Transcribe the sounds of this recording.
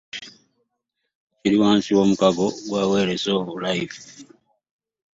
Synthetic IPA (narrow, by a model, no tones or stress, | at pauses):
ciɾiwaːnsiwo̞ːmukaɡo̞ɡwaːwe̞ːɾesoːβulajifu̥